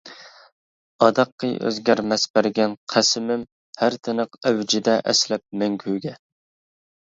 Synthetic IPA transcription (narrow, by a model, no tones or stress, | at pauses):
ɑd̪ɑqːɨ̰jø̰zɡʲæɾmɛsbæɾɡʲɛnqʰæsɪmɪm | hæɾt̪ʰɪnəqæwd͡ʒɪd̪ɛʔɛslɛp̚mæŋkʲʰyɡʲɛ